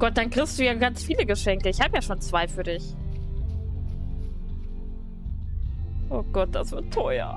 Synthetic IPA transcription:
ɡ̥ɔt̚d̥ankʁ̥ɪçst̚d̥uːjaːɡant͡sfiːləɡəʃɛŋkəɪçhaːbəjaːʃoːnt͡sv̥aɪfyːɐdɪç | ʔoːɡ̥ɔt̚d̥asv̥ɪɐtʰːɔʏɐ̰

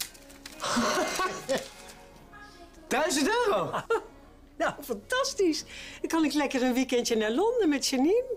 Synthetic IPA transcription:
d̥œɥzətøːro | nawfantastiskɔnɪklɛkərənʋikɛntjənɛlondəmɛtsənin

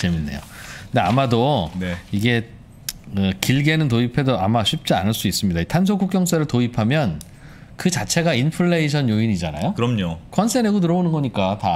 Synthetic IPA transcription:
t͡ɕe̞minːe̞̰jo̰ | nde̞amadoneiɡe̞ | ɯkiɭɡe̞nɯnt̬oipʰe̞doamaɕʰɥip̚t͡ɕ͈ea̰nɯɭs͈uis͈ɯmɲidaitʰans̬ʰokuk͈jʌŋs͈ʰeɾɯɭtoipʰamjʌn | kɯt͡ɕat͡ɕʰe̞ɡainpʰɯɭːe̞iɕʰʌnjoiɲid͡ʑana̰jokɯɾʌmɲokʰʌnsʰeɾeɡonɯɾʌonɯnɡʌɲik͈ata

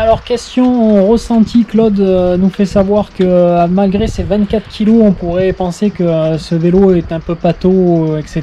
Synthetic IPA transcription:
alɔʁkʲɛst̪jɔ̃ʁəsɑ̃t̪ʰiklɔd̪nufɛsavwaʁkəmalɡʁesevɛ̃t̪̚kat̪χkʲʰiloɔ̃puʁɛpɑ̃sekəsəveloɛt̪ɛ̃pøpat̪oɛkset̪

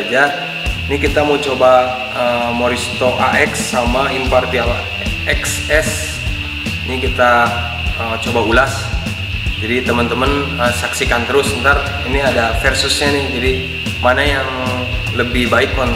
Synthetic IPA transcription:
d͡ʒa | nikit̪amət͡ʃoba | əmoɾist̪oʔaʔɛksːamaʔinpart̪ial | ɛks | ɛs | nikit̪a | ət͡ʃobaulas | d͡ʒadit̪əmənt̪əmənəsaksikant̪əɾʊsbənt̪ar | iniadafɛrsʊsɲanɪhd͡ʒadi | manajaŋ | ləbɪhbaɪk̚ːɔn

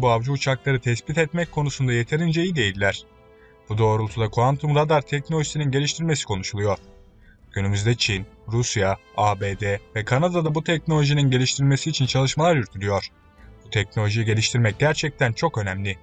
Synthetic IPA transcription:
buavd͡ʒuːt͡ʃʰaklˠaɾɯt̪ʰɛspit̪ɛt̪mɛckʰːo̞nusund̪aje̞t̪ʰe̞ɾind͡ʒejid̪e̞jilʲːæɾ̥ | b̥ud̪o̞ːɾulˠt̪ʰud̪akʰuvant̪ʰumɾad̪aɾt̪ʰɛc̚nolʲoʒisininɟe̞lʲiʃt̪ʰiɾmesi̥kʰo̞nuʃulˠujo̞ɾ̥ | ɟ̥ynymyzd̪ɛt͡ʃʰin | ɾusjaaːbeːd̪ɛvɛkʰanad̪ad̪abut̪ʰɛcno̞lʲo̞ʒininɟe̞lʲiʃt̪ʰiɾlʲme̞siːt͡ʃʰint͡ʃʰalˠɯʃmalˠaɾjyɾt̪ʰylʲyjo̞ɾ̥ | b̥ut̪ʰɛcnolʲo̞ʒijiɟe̞lʲiʃt̪ʰiɾmɛc̚ɟæɾt͡ʃʰɛc̚t̪ʰænt͡ʃʰo̞kø̞nɛmlʲɪ

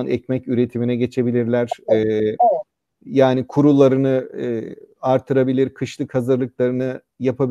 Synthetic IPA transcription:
nʔɛcmɛcyɾe̞t̪ʰiminɛɟe̞t͡ʃʰe̞bilʲiɾlʲæɾ̥ɛː | jaːnikʰuɾulˠːaɾɯnɯː | aɾt̪ʰɯɾabilʲiɾkʰɯʃlˠɯkhazɯɾlˠɯklˠaɾɯnɯ | japʰabi

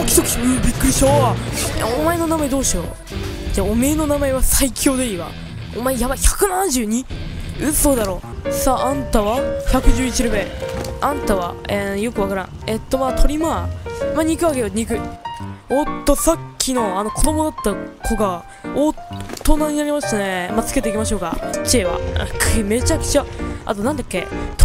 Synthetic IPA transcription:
okʲi̥t̪oki̥ɯ̟bʲikːɯ̟ɾʲiɕoḛomae̞no̞namaed̪o̞ːɕio̰ | d͡ʑaːome̞ːno̞namaeβasaikʲʰo̞ːd̪eiːβa̰ | omaejaβaçakɯ̟nãnd͡ʑɨːɲ̟iɯ̟so̞ːd̪aɾo̞ː | saːʔãnt̪aβaçakɯ̟ʑɨːit͡ɕiɾobe̞ãnt̪aβa̰ejo̞kɯ̟βakaɾã̰ | et̪ːo̞maːt̪ʰo̞ɾʲimaːmaːɲ̟ikɯ̟βake̞joɲ̟ikɯ̟ | ot̪ːo̞sakʲʰːino̞ano̞kʰo̞d̪o̞mo̞d̪at̪ːakʰo̞ɡa | ot̪ːo̞naɲ̟ʲinaɾʲimaɕt̪anemat͡sɨ̥ke̞t̪eikʲimaɕ̬o̞ːka̰t͡ɕieβa̰kʰɯme̞t͡ɕakɯ̟̥t͡ɕaa̰t̪o̞nãnd̪akːe̞̰t̪

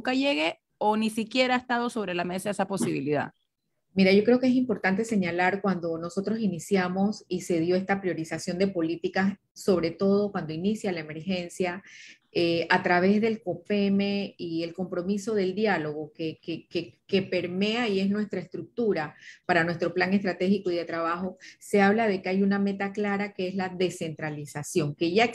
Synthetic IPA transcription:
nŋkaʝe̞ɣe̞ | onisikje̞ɾaest̪aðo̞so̞βɾe̞lame̞saesapo̞siβḭliða̰ | miɾaʝokɾe̞o̞kee̞s̬impo̞ɾt̪ant̪e̞se̞ɲalaɾkwand̪o̞no̞so̞t̪ɾo̞sinisjamo̞sise̞ðjo̞e̞st̪apɾjo̞ɾisasjo̞nd̪e̞po̞lit̪ikas | so̞β̞ɾe̞t̪o̞ð̞okwand̪o̞inisjalaeme̞ɾxe̞nsja | eat̪ɾaβ̞e̞zðe̞lko̞pe̞meie̞lko̞mpɾo̞miso̞ð̞e̞ld̪jalo̞ɣ̞o̞kekekeke̞pe̞ɾme̞aie̞snwe̞st̪ɾaest̪ɾuk̚t̪uɾapaɾanwe̞st̪ɾo̞plaŋe̞st̪ɾat̪e̞xiko̞iðe̞t̪ɾaβ̞axo̞se̞aβ̞lað̞e̞keajuname̞t̪aklaɾakeezlaðe̞se̞nt̪ɾalisasjo̞ŋke̞ʝa

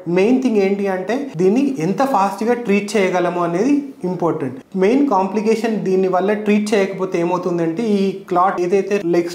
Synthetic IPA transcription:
me̞jnt̪ʰiŋɡeːɳʈiɐɳʈe̞ːd̪iːnːiɛnt̪ɐpʰaːsʈɡaːʈɾiːʈ̚t͡ʃɛːjɐɡɐlɐmoɐne̞ːd̪i | impoːɾʈeɳʈme̞jnkaːmplikeːʂɐnd̪iːnːiʋɐlːɐʈɾiːʈ̚t͡ʃɛːjɐkɐpoːt̪eeːmɐwt̪und̪ɐɳʈeːiːklaːʈeːd̪ɐjt̪e̞ːleks

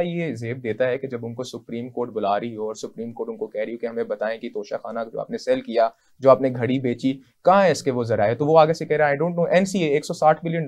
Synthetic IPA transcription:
ajeɪzeːb̚d̪eːt̪aɦɛked͡ʒɐbʊnkosʊpɾiːmkoːɾʈ̚bʊlaːɾiɦoɔːɾsʊpɾiːmkoːɾʈʊnkokɛɦɾiokeɦɐmẽbɐt̪aːẽkit̪oːʃaxaːnad͡ʒo̰ːa̰ːp̚nesɛːlkija | d͡ʒoːaːpneɡʱɐɽibeːt͡ʃi | kãɦɛ̃ɪskeʋozɐɾaːet̪oʋoaːɡesekɛɦɾaːɦẽɖõːɳʈ̚noːʔɛːnsieeːksɔsaːʈʰbɪljən

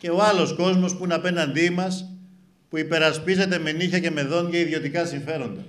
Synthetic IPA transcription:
ce̞o̞ɐlo̞sko̞zmo̞spuinɐpe̞nɐnd̪imɐs | puipe̞ɾɐspize̞t̪e̞me̞niçɐce̞me̞ðo̞nʝɐiðjo̞t̪ikɐsiɱfe̞ɾo̞nd̪ɐ

